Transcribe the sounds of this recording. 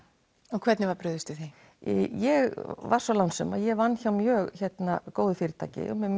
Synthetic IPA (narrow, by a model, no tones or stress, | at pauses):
ɔkʰvɛt̪nɪvaɾpɾʏðʏst̪ʏθi | jɛɣvaɾ̥sɔlawnsʏma̰ðjɛɣvanːçawmjœːɣçɛt̪nakoːwðʏfiːɾɪt̪ʰa̰ːcɪ̰ɔ̰mɛm